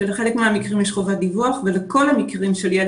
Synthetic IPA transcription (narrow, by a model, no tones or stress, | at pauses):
eleχe̞lekmeamikʁimjeʃχo̞vad̪ivuaχveleko̞lhamikʁimʃelje